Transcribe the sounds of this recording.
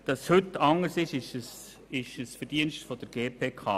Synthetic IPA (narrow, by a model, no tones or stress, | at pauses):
d̥ɑshʏtːɑŋəɾsɪʃɪʃəs | ɪʃəsfɛɾd̥iənstfɔd̥əɾɡ̥eːpʰeːkʰɑ̰ː